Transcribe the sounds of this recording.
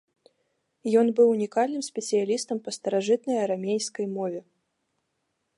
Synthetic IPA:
jɔnbɨwunʲikalʲnɨmsʲpʲɛsɨjalʲist̪ɐmpɐst̪ɐɾaʐɨt̪nɐjɐɾamʲejskɐjmɔvʲɛ

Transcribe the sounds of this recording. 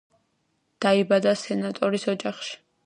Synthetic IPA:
d̪̥aibad̪asɛnat̪ʼɔɾisɔd͡ʒaχʃi̥

